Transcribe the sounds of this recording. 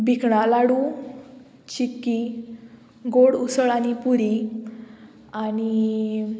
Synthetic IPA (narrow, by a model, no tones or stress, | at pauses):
bikʰɳalaɽu | t͡ɕikːi | ɡoɽusəɭañipuɾi | ani